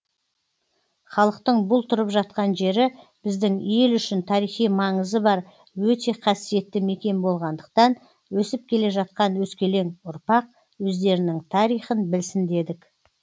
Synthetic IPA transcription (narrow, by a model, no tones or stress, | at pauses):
χɑlˠəqt̪əɴbʊlˠt̪ʰʊɾəpʒɑt̪̚qɑnʒe̞ɾɪ | b̥ɪzd̪ɪŋe̞lʏʃɪnt̪ʰɑɾijχijmɑɴəzəbɑɾ | wɵt̪e̞qʰɑsije̞t̪ːɪme̞kʲe̞nbo̞lˠʁɑnd̪əq̚t̪ɑn | wɵsɪp̚kʲʰe̞le̞ʒɑt̪̚qɑnwɵskʲʰe̞le̞ŋʊɾpɑq̚ | wɵzd̪e̞ɾɪnɪŋt̪ʰɑɾijχənbɪlsɪnd̪e̞d̪ɪk